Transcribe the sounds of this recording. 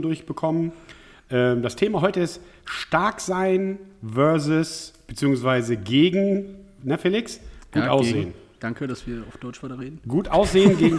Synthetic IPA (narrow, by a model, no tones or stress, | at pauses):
dʊɐçb̥əkʰɔmən | ʔɛːmdastʰeːmaɦɔʏtəɪst | ʃtaɐkz̥aɪnvœɐzʊsb̥ət͡siːʊŋsv̥aɪzəɡeːɡŋ̩nəfeːlɪksɡ̥uːtʔaʊsz̥eːən | d̥aŋkədasv̥iːɐaʊfd̥ɔʏt͡ʃvaɪtɐʁeːdn̩ɡ̥uːtʔaʊsz̥eːənɡeːɡŋ̩